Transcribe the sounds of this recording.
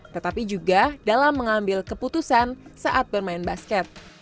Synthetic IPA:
t̪ət̪apid͡ʒuɡadalamːəŋambɪlkəput̪usansaʔat̪̚bərmaɪnbaskɛt̪̚

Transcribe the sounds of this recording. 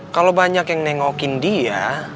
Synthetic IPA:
kalowbaɲakjaŋnɛŋɔkɪndia̰

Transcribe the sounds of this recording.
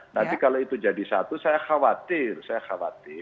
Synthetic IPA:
nant̪ikaloit̪ud͡ʒadisat̪usajaxawat̪ɪrsajaxawa̰t̪ɪ

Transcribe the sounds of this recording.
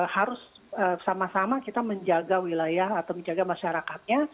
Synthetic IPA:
haɾʊsəsamasamakit̪aməɲd͡ʒaɡawilajahat̪awməɲd͡ʒaɡamaʃaɾakat̪̚ɲa

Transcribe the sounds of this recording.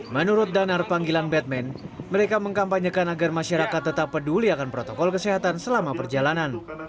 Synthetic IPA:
mənuɾʊt̪̚danarpaŋɡilanbɛt̪̚mɛnməɾekaməŋkampaɲəkanaɡarmaʃaɾakat̪ːət̪apːəduliakanpɾot̪okɔlkəseɦat̪ansəlamapərd͡ʒalanan

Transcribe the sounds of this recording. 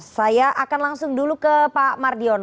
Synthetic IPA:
sajaʔakanlaŋsʊŋdulukəpamardiɔn

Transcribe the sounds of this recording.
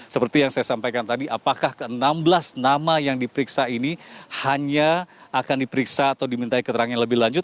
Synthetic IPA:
səpərt̪ijaŋsajasampajkant̪adiʔapakahkəənambəlasnamajaŋdipəɾiksainihaɲaːkandipəɾiksaːt̪awdimint̪aikət̪əɾaŋaanləbɪhlaɲd͡ʒʊt̪̚

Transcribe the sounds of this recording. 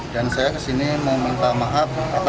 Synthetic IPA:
dansajakəsinimawmint̪amaɦap̚ap

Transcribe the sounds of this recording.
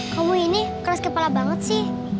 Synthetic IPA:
kamuinikəɾaskəpalabaŋət̪̚sɪh

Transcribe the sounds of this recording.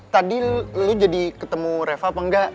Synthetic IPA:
t̪adilud͡ʒadikət̪əmuɾefapaŋɡaʔ

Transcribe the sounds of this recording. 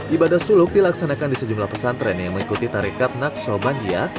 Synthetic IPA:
ʔibadahsulʊk̚dilaksanakandisəd͡ʒumlahpəsant̪ɾɛnjaŋməŋikut̪it̪aɾikat̪̚nak̚sɔbandia

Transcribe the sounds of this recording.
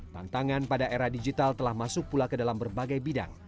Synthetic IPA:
t̪a̰nt̪aŋanpadaʔeɾadid͡ʒit̪alt̪əlahmasʊk̚pulakədalambərbaɡajbida̰ŋ

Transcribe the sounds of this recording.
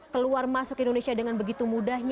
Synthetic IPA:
kəluarmasʊkindonesiadəŋanbəɡit̪umudahɲ

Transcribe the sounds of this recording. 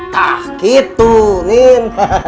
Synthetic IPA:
ahkit̪unin

